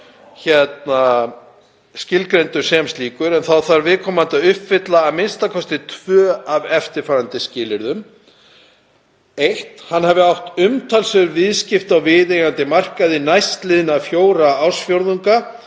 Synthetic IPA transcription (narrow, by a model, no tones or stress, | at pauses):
çɛt̪̚na | scɪlkɾejnt̪ʏɾ̥sɛmst̪liːkʏɾɛnθawθaɾvɪðkʰɔːmant̪aʏhpfɪt̪laːmɪnst̪akʰɔst̪ɪt̪ʰv̥œːavɛft̪ɪɾ̥faːɾant̪ɪscɪːlɪɾðʏm | ejht̪hanːhɛvɪawht̪ʏmt̪ʰalsœɾvɪðscɪft̪awvɪðeɣant̪ɪmar̥kaðɪnajst̪lɪðɪnafjoːwɾaawsfjoɾðuŋka